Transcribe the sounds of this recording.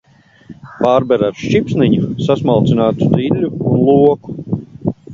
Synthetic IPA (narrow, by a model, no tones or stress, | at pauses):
paːɾbɛɾaɾʃt͡ʃipsniɲusasmalˠt̪sinaːt̪u̥d̪ilʲːuːnlˠuɔku̥